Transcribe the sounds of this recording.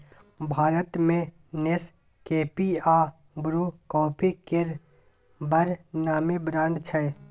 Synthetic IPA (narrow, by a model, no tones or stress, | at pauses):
bʱaːɾət̪mẽ | nes | keːpiaː | bɾukɔːpʰikɪɾ | bəɾnaːmibɾãːɳɖt͡ʃʰɛ